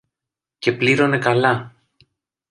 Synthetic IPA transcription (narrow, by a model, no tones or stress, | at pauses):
ce̞pliɾo̞ne̞kɐlɐ